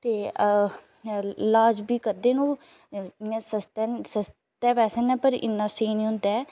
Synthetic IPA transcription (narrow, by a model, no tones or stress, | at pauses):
t̪eː | laːd͡ʒbiːkəɾd̪eːnũː | ãːsəst̪ɛsəs | t̪ɛːpɛːsənɛːpəɾɪ̰nːãːseːniːɦʊ̃nd̪aː